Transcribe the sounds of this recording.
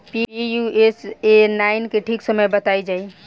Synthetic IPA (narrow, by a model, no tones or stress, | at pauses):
piijuesenaɪnkeʈʰiksəməjbət̪ajd͡ʒai